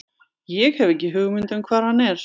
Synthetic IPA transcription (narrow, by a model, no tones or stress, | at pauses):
jɛɣhɛvɛhcːɪɦʏɣmʏnt̪ʏmkʰvaːðɾ̥hanːɛɾ̥